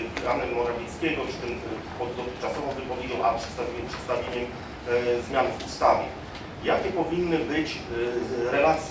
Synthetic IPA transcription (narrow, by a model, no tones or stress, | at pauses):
ɾamɛmːɔɾavʲɛt̪skʲɛɡɔ̥t̪ɘm | pɔd̪ɔt̪ɪxt͡ʂasɔvɔ̃w̃vɘpɔvʲed͡ʑɔw̃ʔapʂɛ̥t̪st̪avʲɛpʂɛt̪st̪avʲjeɲɛm | zmʲjanvust̪avʲjɛ̰ | jakʲɛpɔvʲinːɘbɘt͡ɕ | ɾɛlat̪sʲ